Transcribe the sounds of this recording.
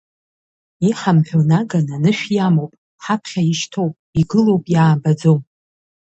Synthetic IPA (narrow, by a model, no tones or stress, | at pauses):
iħamħᶣonaɡananɨʃᶣjamowpʼ | ħapʰχʲaiʃtʰowpʼiɡɨlowpʼjaːbad͡zowm